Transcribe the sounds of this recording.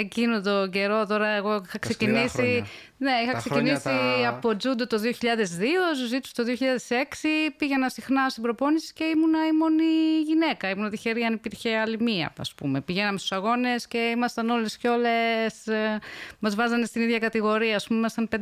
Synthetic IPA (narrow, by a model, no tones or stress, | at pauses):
ecinot̪o̞ɟe̞ɾo̞t̪o̞ɾɐeɣo̞ixɐksecinisi | ne̞ixɐksecinisiɐpod͡zud̪ot̪o̞ðio̞çiʎɐðe̞zðiosuzit̪usu̥t̪o̞ðio̞çiʎɐðe̞se̞ksipiʝe̞nɐsixnɐost̪ibɾo̞po̞nisi̥ce̞imunɐimo̞niʝine̞kɐimunɐt̪içe̞ɾiɐnipiɾçe̞ɐlimiɐ̰ɐ̰spṵme̞piʝenɐmest̪u̥sɐɣo̞ne̞sce̞imɐst̪ɐno̞le̞sco̞le̞s | mɐzvɐzɐne̞st̪iniðʝɐkɐt̪iɣo̞ɾiɐːspumemimɐst̪ɐnpe